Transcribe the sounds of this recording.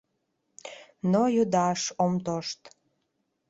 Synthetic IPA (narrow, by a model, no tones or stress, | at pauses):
nojod̪ɑʃomt̪oʃt̪